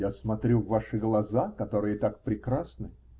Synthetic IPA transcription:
jasmɐt̪ɾʲuvːaʂɨɡlˠɐzakɐt̪o̞ɾɨjət̪ak̚pɾʲɪkɾasnɨ

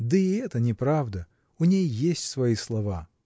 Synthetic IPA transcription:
d̪əɪɛt̪ənʲɪpɾavd̪ə | ʊnʲejːesʲtʲsvɐislˠɐva

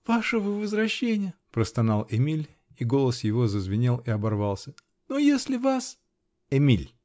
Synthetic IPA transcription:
v̥aʂəvəvəzɾɐɕːenʲɪjəpɾəst̪ɐnɑlˠɪmʲilʲ | iɡo̞lˠəsjɪvo̞zəzvʲɪnʲelˠɪɐbɐrvɑlˠsʲə | nojesʲlʲɪvas | ɪmʲilʲ

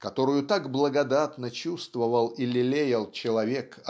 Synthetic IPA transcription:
kɐt̪o̞ɾʊjʊt̪aɡblˠəɡɐd̪at̪nət͡ɕust̪vəvəlˠilʲɪlʲejɪlˠt͡ɕɪlˠɐvʲekɐ

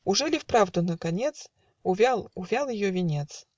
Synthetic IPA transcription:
ʊʐɨlʲɪfpɾavd̪ʊnəkɐnʲet̪s | ʊvʲalˠʊvʲalˠjɪjovʲɪnʲet̪s

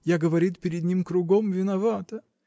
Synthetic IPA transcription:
jaɡəvɐɾʲit̪̚pʲɪɾʲɪd̪ʲnʲimkɾʊɡomvʲɪnɐvat̪ə

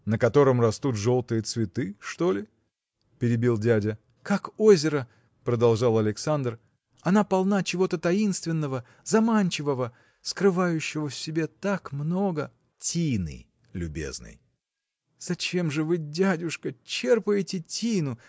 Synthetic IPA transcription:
nəkɐt̪o̞ɾəmrɐst̪ut̪ʐo̞lˠt̪ɨjət̪svʲɪt̪ɨʂt̪o̞lʲɪ | pʲɪɾʲɪbʲilˠdʲædʲə | kako̞zʲɪɾə | pɾəd̪ɐlˠʐɑlˠɐlʲɪksand̪r | ɐnapɐlˠnat͡ɕɪvo̞t̪ət̪ɐinst̪vʲɪnːəvə | zɐmanʲt͡ɕɪvəvə | skɾɨvajʉɕːɪvəfsʲɪbʲe̞t̪akmno̞ɡə | tʲijnɨ̰j | lʲʉbʲe̞̰znɨ̰j | z̥ɐt͡ɕe̞mʐɨvɨdʲædʲʊʂkət͡ɕe̞rpəjɪtʲɪtʲijnʊ

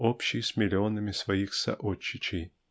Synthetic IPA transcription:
opɕːɪjsʲmʲɪlʲɪonəmʲɪsvɐjixsɐ̰ʔot͡ɕːɪt͡ɕɪj

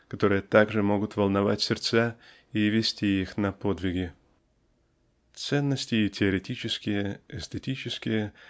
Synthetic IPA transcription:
kɐt̪o̞ɾɨjət̪aɡʐɨmo̞ɡʊt̪vəlˠnɐva̰tʲsʲɪrt̪sa | ivʲɪsʲtʲiixnɐpo̞d̪vʲɪɡʲɪ | t̪sɛnːəsʲtʲɪːtʲɪəɾʲɪtʲit͡ɕɪskʲɪjəɛst̪ʲetʲit͡ɕɪskʲɪjə

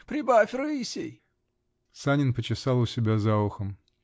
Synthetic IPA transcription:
pɾʲɪbafʲɾɨisʲḛj | sanʲɪnpət͡ɕɪsɑlˠʊsʲɪbʲazaʊxəm

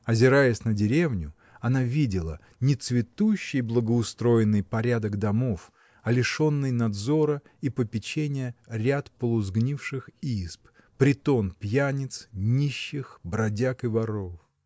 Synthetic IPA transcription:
ɐzʲɪɾajɪsʲnədʲɪɾʲevnʲʊ | ɐnavʲidʲɪlˠə̰ | nʲɪt̪svʲɪt̪uɕːɪjblˠəɡəʊst̪ɾo̞jɪnːɨjpɐɾʲad̪əɡd̪ɐmof | ɐlʲɪʂo̞nːɨjnɐd̪zo̞ɾə | ipəpʲɪt͡ɕenʲɪjəɾʲat̪pəlˠʊzɡnʲifʂɨxisp | pɾʲɪt̪o̞npjanʲɪt̪snʲiɕːɪxbɾɐdʲakɨvɐɾof

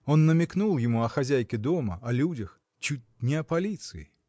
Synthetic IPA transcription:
ɔnːɐmʲiknulˠjɪmuɐxazʲajkʲɪd̪ɔmɐɐlʲud͡zʲɐx | t͡ɕut͡sʲnʲɛɐpalʲit̪sɨjḭ

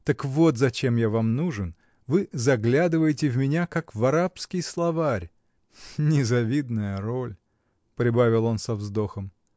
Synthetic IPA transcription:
t̪əkvo̞t̪zɐt͡ɕe̞mjavamnuʐɨn | vɨzɐɡlʲad̪ɨvəjɪtʲɪvmʲɪnʲakakvɐɾapskʲɪjslˠɐvaɾʲ | nʲɪzɐvʲid̪nəjəɾo̞lʲ | pɾʲɪbavʲɪlˠo̞nsɐvzd̪o̞xəm

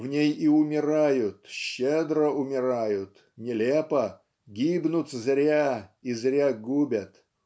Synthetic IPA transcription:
vnʲejiʊmʲɪɾajʊt̪ɕːed̪ɾəʊmʲɪɾajʊt̪ | nʲɪlʲepə | ɡʲibnʊt̪zɾʲaizɾʲaɡubʲət̪

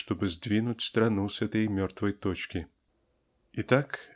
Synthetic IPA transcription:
ʂt̪ɔbɨzʲd͡zʲvʲinut͡sʲst̪ɾanusʲat̪ɛjmʲɔrt̪vɐjt̪ɔt͡ʃkʲi | it̪ak

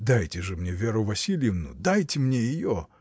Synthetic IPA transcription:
d̪ajtʲɪʐɨmnʲevʲe̞ɾʊvɐsʲilʲɪjɪvnʊ̰d̪ajtʲɪmnʲejɪjo

